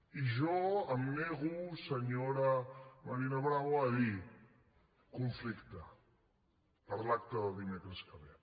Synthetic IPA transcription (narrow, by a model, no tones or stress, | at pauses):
iʒɔəmːeɣusəɲoɾamaɾinaβɾaβaːði | kuɱflikt̪ə | pəɾlakt̪əðəðimekɾəskəβe